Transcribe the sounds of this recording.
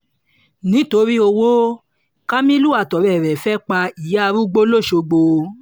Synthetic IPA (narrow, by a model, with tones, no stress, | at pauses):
nĩ˨˦to˧ɾi˦o˧wo˦ | ka˦mĩ˦lu˦a˨tɔ˨ɾɛ˨ɾɛ˨fɛ˦k͡pa˧i˨ja˦˧ɾu˦ɡ͡bo˦lo˦˨ʃo˧ɡ͡bo˧